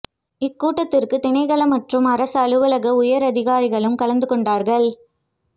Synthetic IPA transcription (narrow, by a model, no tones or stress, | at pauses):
ɪkːuːʈːɐt̪ːɪrkɯt̪ɪɳɐɪɣɐɭɐmɐʈrɯmɐɾɐsɐɭɯʋɯɭɐɣɐʊjɐɾɐðɪɣaːɾɪɣɐɭɯmkɐlɐnd̪ɯkɔɳɖaːɾɣɐɭ